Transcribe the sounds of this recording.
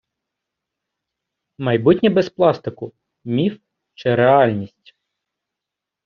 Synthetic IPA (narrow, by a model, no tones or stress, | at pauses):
mɐjbutʲnʲibɛsplˠɑst̪ɪkʊ | mʲif | t͡ʃɪɾeɑlʲnʲisʲtʲ